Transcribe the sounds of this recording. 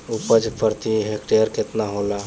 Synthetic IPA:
upəd͡ʒpəɾt̪iɦekʈeəɾket̪naɦola

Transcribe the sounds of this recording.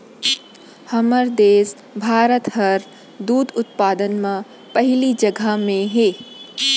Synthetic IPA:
hɐməɾd̪eːs | bʱaːɾət̪ɦɐɾ | d̪uːd̪ʊt̪̚paːd̪ənmã | pəɦɪlid͡ʒəɡʱamẽɦeː

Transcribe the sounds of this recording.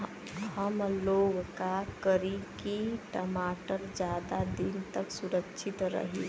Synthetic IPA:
həmloɡkakəɾikiʈəmaʈəɾd͡ʒjad̪ad̪int̪əksuɾəkʃʰit̪ɾə̰ɦḭ

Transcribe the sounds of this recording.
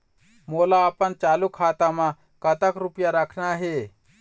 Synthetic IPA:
molaəpənt͡ʃaːlukʰaːt̪amã | kət̪əkɾupjaɾəkʰnaɦe

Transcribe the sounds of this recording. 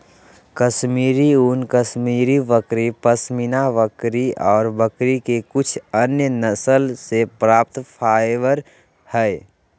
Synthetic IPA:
kəsmiːɾiunkəsmiːɾiʋəkɾipəsminaʋəkɾiɔːɾbəkɾikekʊt͡ʃʰənjənəsəlsepɾaːp̚t̪pʰaːʋəɾ | hɛe

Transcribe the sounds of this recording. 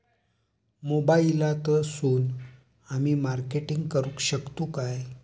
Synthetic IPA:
mobailat̪əsuːn | amiːmaɾkeʈiŋɡkəɾũːkɕəkt̪ukaj

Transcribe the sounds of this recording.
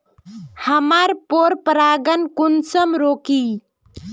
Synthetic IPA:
həmaɾpoɾpəɾaːɡənkunsəmɾoːki

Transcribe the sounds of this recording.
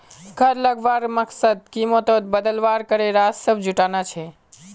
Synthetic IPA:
ɡʰʱəɾləɡbaɾməksəd̪̚kimot̪od̪̚bəd̪əlʋaɾkəɾeɾad͡ʒsəbʱd͡ʒuʈanat͡ʃʰɛ

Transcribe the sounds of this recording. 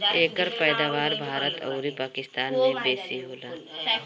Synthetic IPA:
eːkəɾpɛːd̪aːʋaːɾbʱaːɾət̪ʰɔ̰ːɾipaːkɪst̪aːnmẽbeːsiɦoːlaː

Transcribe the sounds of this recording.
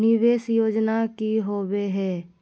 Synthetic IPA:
nɪʋeːsjoːd͡ʒnakiɦoːweɦɛː

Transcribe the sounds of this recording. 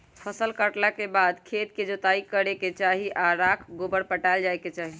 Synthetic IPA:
pʰəsəlkəʈlakebad̪kʰet̪̚ked͡ʒot̪aikəɾeket͡ʃaɦiʔaɾakʰɡobəɽpəʈaɪld͡ʒajket͡ʃaɦi

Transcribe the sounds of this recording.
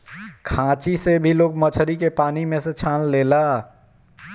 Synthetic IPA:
kʰãːt͡ʃisebʱiloːɡ̚mət͡ʃʰəɾikepaːnimẽset͡ʃʰãːnleːla

